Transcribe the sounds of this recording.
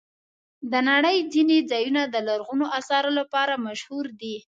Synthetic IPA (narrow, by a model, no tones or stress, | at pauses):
d̪ənaɽəjd͡zined͡zɑjunad̪əlaɾɣunoʔasɑɾolapɑɾamaʃhuɾd̪i